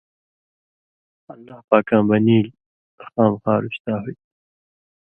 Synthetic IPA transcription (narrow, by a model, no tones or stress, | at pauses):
ɐlːaːhpaːkãːbɐniːl | xaːmxɑːɾuɕt̪aːɦuj